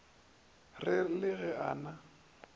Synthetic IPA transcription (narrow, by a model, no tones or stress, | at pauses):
rɪlɪɣɛaːna